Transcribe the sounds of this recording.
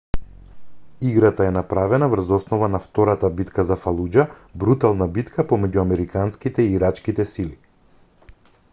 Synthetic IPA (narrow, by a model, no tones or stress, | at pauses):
iɡɾat̪aɛnapɾavɛnavr̩zɔsnɔvanaft̪ɔɾat̪abit̪kazafalˠud͡ʒa | bɾut̪alˠnabit̪kʰapɔmɛɟuamɛɾikanskit̪ɛiːɾat͡ʃkit̪ɛsili